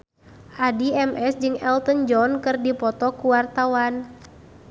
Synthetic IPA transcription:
ʔadiɛmʔɛsd͡ʒɨŋɛlt̪ənd͡ʒɔnkɨrdipɔt̪ɔkuwart̪awan

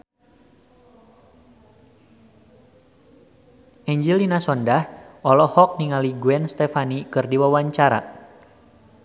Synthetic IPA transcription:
ʔɛɲd͡ʒilinasɔndahʔɔlɔhɔk̚niŋaliɡuɛnst̪ɛfanikɨrdiwawaɲt͡ʃaɾa̰

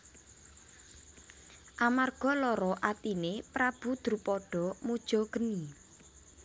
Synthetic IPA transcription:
ʔamarɡ̥ɔlɔɾɔʔat̪inepɾab̥ud̪̥ɾupɔɖ̥ɔ̤mud̥ʒ̥ɔ̤ɡ̥ə̤ni

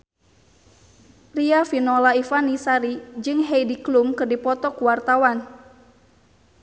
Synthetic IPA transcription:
riafinɔlaifanisaɾid͡ʒɨŋɦɛjdiklumkɨrdipɔt̪ɔkuwart̪awan

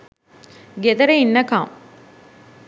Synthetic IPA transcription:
ɡed̪ɐɾeinːɐka̰m

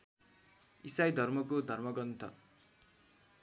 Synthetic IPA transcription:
isajd̪ʱʌrmʌkod̪ʱʌrmʌɡʌnt̪ʰʌ̰

